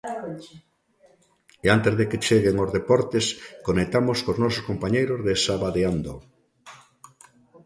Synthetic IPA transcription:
eant̪ezðeket͡ʃeɣeŋozðepɔɾt̪eskonek̚t̪amoskoznɔsʊskompaɲejɾozðesaβaðeand̪o

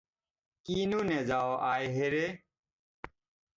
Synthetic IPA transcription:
kiːnuːned͡ʑaːoːʔaːjɦeɾe

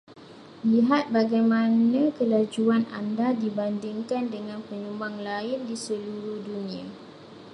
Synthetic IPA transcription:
liɦat̪̚baɡajmãnãkəlad͡ʒuana̰ndadibandiŋkandəŋãnpəɲumbaŋlaɪndisəluɾuhdunĩa

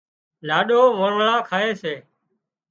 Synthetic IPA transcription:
laːɗoːʋəɳɭãːkʰaːeːseː

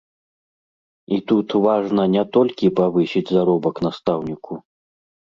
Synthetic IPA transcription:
it̪ut̪vaʐnɐnʲɛt̪ɔlʲkʲipavɨsʲid͡zʲzaɾɔbɐkn̪ast̪awnʲikʰu

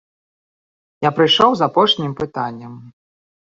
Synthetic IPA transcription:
japɾɨjʂɔwzapɔʂnʲimpɨt̪anʲːɐm

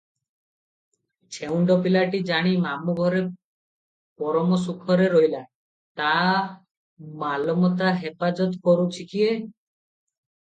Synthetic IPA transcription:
t͡ʃʰewɳɖɔpilaʈid͡ʒaɽ̃imamuɡʱɔɾe | pɔɾɔmɔs̬ukʰɔɾeɾɔila | t̪a | malɔmɔt̪aɦepad͡ʒɔt̪kɔɾut͡ʃʰikʰie

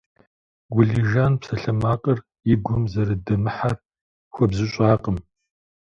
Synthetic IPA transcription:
ɡʷʊɮiʒaːnpsɐɬɐmaːqʼər | ɪɡʷʊmzɐɾɨdɐmɨħar | xʷɔbzɨɕʼaːqʼəm

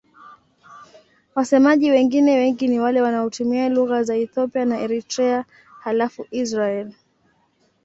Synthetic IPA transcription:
wasɛmaʄiwɛŋɡinɛwɛŋɡiniwalɛwanaɔtumialuɣazaɛθɔpianaʔɛɾitɾɛa | halafuʔisɾaɛl

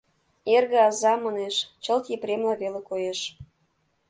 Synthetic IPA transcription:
erɣeɑzɑmɑneʃt͡ɕə̆lt̪jepɾemlɑβelekojeʃ

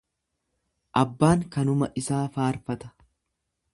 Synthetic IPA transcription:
ʔɐbːaːŋkɐnʊmɐʔɪsaːfaːɾfɐt̪ɐ̥

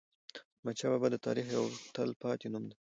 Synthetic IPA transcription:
mat͡ʃababad̪ət̪ɑ̰ɾixjawt̪əlpɑt̪enumd̪a

